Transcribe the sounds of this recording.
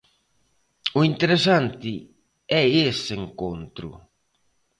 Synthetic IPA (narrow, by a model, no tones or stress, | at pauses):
uint̪eɾesant̪ɪ | ɛeseŋkont̪ɾṵ